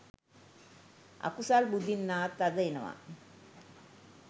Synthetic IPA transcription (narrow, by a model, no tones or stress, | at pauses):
ɐ̰kusalbud̪ʱinːaːt̪ːad̪ɐinɐʋa̰